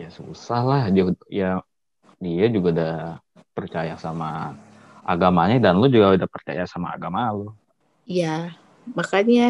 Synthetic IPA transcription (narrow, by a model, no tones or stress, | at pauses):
jasusahlahdiauja | diad͡ʒuɡauda | pərt͡ʃajasama | ʔa̰ɡamaɲadanlod͡ʒuɡaudapərt͡ʃa̰jasama̰ːɡamalo | ja | makaɲa